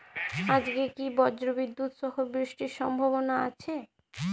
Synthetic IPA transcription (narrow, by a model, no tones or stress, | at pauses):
ad͡ʑɡekibɔd͡ʑɾobid̪ːut̪ʃɔɦobɾiʃʈiɾʃɔmbʱaβonaa̰t͡ɕʰe